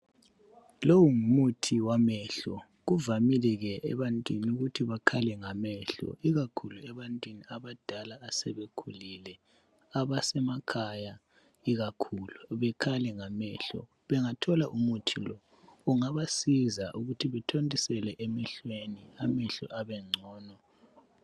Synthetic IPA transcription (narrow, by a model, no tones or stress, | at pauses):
lowuŋumutʰiwamɛɬɔ̰ | ɣuvamilɛɣɛʔɛβantʼwiniuɣutʰiβakʰalɛŋamɛɬɔ̰iɣakʰuluɛβantʼwiniaβad̥ʱalaːsɛβekʰulilɛ | aβasɛmakʰaja | iɣakʰuluβɛkʰalɛŋamɛɬɔ̰ | βɛŋatʰɔlaʔumutʰilɔ | ɔŋaβasizaʔuɣutʰiβɛtʰondʼisɛlɛʔemɛɬweniamɛɬɔ̰ʔaβɛŋ͡ǀʱɔːnɔ